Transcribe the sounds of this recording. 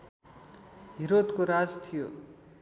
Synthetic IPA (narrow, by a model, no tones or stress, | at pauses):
ɦiɾod̪koɾad͡zt̪ʰijo